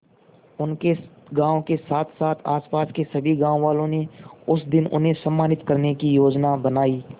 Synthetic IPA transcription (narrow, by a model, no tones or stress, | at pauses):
ʊnke | ɡãːõkesaːt̪ʰsaːt̪ʰa̰ːspaːskesɐbʱiɡãːõʋaːlõneʊsd̪ɪnʊ̰nɦẽsəmːaːnɪt̪kəɾnekijoːd͡ʒnabənaːiː